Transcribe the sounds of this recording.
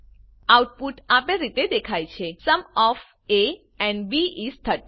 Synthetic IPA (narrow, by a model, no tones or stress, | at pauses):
awʈ̚puʈapeɾit̪ed̪ekʰajt͡ʃʰesəmɔf | e | ɛ̃ɳɖbiist̪ʰəʈ